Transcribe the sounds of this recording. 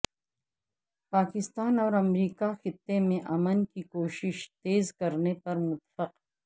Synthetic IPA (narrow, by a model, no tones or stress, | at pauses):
paːkɪst̪aːnɔːɾɐmɾiːkaxɪt̪ːemẽʔɐmənkikoːʃɪʃt̪eːzkɐɾnepɐɾmʊt̪fɐq